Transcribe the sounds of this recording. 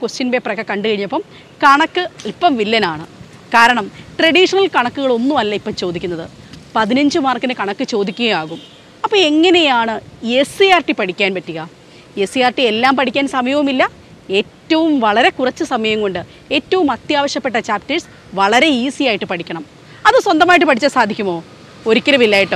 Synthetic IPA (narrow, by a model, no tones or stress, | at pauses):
kwest͡ɕinbeːpːrɐkːɐkɐɳɖɨkɐɻiɲːɐpːɐm | kɐɳɐkːɨipːɐmʋilːɐnaːɳɨ | kaːɾɐɳɐmʈrɐɽiːʂɐnɐlkɐɳɐkːuɣɐɭo̞nːumɐlːɐipːɐmt͡ɕo̞ːd̪ikʲːunːɐðɨ | pɐðinɐɲd͡ʑɨmaːrkːinɨkɐɳɐkːɨt͡ɕo̞ːd̪ikʲːuɣɐjaːɣum | ɐpːoːe̞ŋːɐnejaːɳɨesijaːrʈipɐɽikʲːaːnpɐtːiɣɐ | e̞sijaːrʈie̞lːaːmpɐɽʰikʲːaːnsɐmɐjɐʋɐumilːɐ | e̞ːtːɐʋumʋɐɭɐɾe̞kurɐt͡ɕːɨsɐmɐjɐŋko̞ɳɖɨ | e̞ːtːɐʋumɐt̪jaːʋɐɕjɐpːe̞ʈːɐt͡ɕaːp̚tɐɻs | ʋɐɭɐɾe̞isijaːjiʈːɨpɐɽikʲːɐɳɐm | ɐðɨswɐnd̪ɐmaːjiʈ̬ːɨpɐʈit͡ɕːasaːd̪ʱikʲːumo̞ː | o̞ɾukʲːɐɾɐmilːaːjiʈːo